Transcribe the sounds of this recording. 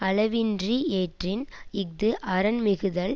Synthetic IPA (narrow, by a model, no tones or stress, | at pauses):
ɐlɐʋɪndrieːʈrɪnɪk̚d̪ɯʔɐɾɐnmɪɣɯðɐl